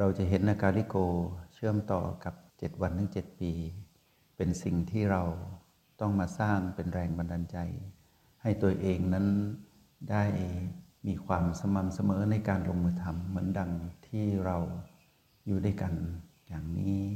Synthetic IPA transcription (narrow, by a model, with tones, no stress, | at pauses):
ɾa˧wt͡ɕa˨˩ɦe˩˦nʔaː˧kaː˧li˦˥˩koː˧t͡ɕʰɯ˥˩əmt̪ɔ̰ː˨˩ka˨˩p̚t͡ɕe˨˩t̪̚wa˧nːɯ˧˥˩ŋt͡ɕe˨˩t̪̚piː˧ | pe˧nsi˨˩ŋt̪ʰiː˥˩ɾa˧w | t̪ɔ˥˩ŋmaː˧saː˥˩ŋpe˧nɾɛː˧ŋba˧ndaː˧nt͡ɕa˧j | ha˥˩jt̪u˧əʔeː˧ŋna˦˥n | daː˥˩jmiː˧kʰwaː˧msa˧ma˧msa˧mɤː˩˦na˧jkaː˧nlo˧ŋɯː˧t̪ʰa˧mːɯ˩˦ənda˧ŋt̪ʰiː˥˩ɾa˧w | juː˨˩daː˥˩jka˧n | jaː˨˩ŋniː˦˥